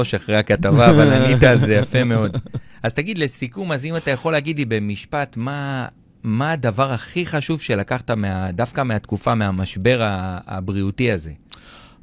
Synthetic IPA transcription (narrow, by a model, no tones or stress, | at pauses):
oʃaχʁeakat̪avaːvalanitaːlzejafe̞me̞o̞d̪aztaɡid̪le̞sikumazimat̪ajaχo̞leaɡidlibe̞miʃpatma | maːdavaʁaχiχaʃuvʃe̞lakaχtameadafkame̞at̪kufameamaʃbe̞ʁa̰ːbʁiutiaze̞